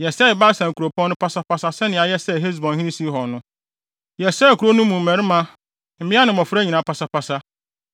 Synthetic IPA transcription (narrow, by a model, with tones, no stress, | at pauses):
jɛ˨sɛ˦ɪ˨ba˦sã˨ŋ˨ku˨ɾo˨pʰɔ̃˦nːʊ̃˦pʰa˦sa˦pa˦sa˦sɛ˦nɪ̃˨a˨jɛ˦sɛ˦˨ɦe˦z̬bɔ̃˨nhĩ˦nĩ˦si˦ɦɔ˨nʊ̃˦ | jɛ˨sɛ˦˨kʰu˨ɾo˦nũ˦mũ˨m̩˨mɛ̃˨ɾɪ˦mã˦ | m̩˨˦mɪ̃˦a˦nɪ̃˨mɔ˨fʊ˦ɾæ˦ɲĩ˨nã˨pʰa˨sa˦pa˦sa˦